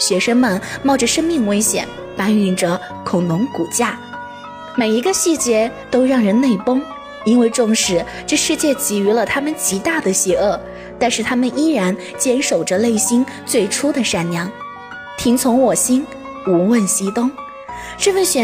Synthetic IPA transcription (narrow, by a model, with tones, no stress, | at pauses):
ɕɥɛ˧˥ʂə˥ŋmə˨nmɑ˥˩ʊʈ͡ʂə˨˩ʂə˥ŋmi˥˩ŋwe˥ɪɕjɛ̰˨˩˦n | pa˥ny˧˥˩nʈ͡ʂə˧ | kʰʊ˨˩ŋnʊ˧˥ŋku˨˩t͡ɕja˥˩ | me˨˩ɪi˧˥ɡə˧ɕi˥˩t͡ɕjɛ˧˥t̪o˥ʊɻɑ˥˩ŋɻə˧˥nne˥˩ɪpɤ˥ŋ | i˥nwe˥˧ɪʈ͡ʂʊ˥˧ŋʂɻ̩˥˩ | ʈ͡ʂɤ˥˧ʂɻ̩˥˧t͡ɕjɛ˥˩t͡ɕi˧˥˩y˧˥lə˧t̪ʰa˥mə˨nt͡ɕi˧˥t̪a˥˩d̪ə˩ɕjɛ˧˥ɤ˥˩ | t̪a˥˧nʂɻ̩˥˩t̪ʰa˥mə˨ni˥ɻa˧˥n | t͡ɕjɛ˥nʂo˨˩ʊʈ͡ʂə˦le˥˩ɪɕi˥nt͡swe˥˩ɪʈ͡ʂʰu˥d̪ə˨ʂa˥˩nnjɑ˧˥ŋ | t̪ʰi˧˥ŋt͡sʰʊ˧˥ŋwɔ˨˩ɕi˥n | u˧˥wə˥˩nɕi˧˥t̪ʊ˥ŋ | ʈ͡ʂɤ˥˧fə˥˩nɕɥɛ˨˩